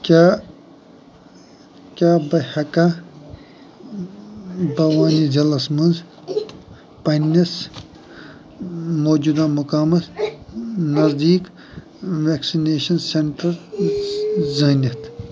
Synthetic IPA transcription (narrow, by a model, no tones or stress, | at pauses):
kʲa | kʲaːbɐhɐka | bɐwaːnid͡ʒɐlɐsmɐnz | pɐnɐs | moːd͡ʒud̪amukaːmɐt̪ | nɐzd̪iːk | ʋeːksineːʃɐnseɳʈɐɾ | zɐnʲɐt̪